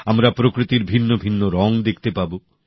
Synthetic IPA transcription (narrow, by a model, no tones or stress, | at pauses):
amɾapɾokɾit̪iɾbʱinːobʱinːoɾɔŋd̪ek̚ʰt̪epabo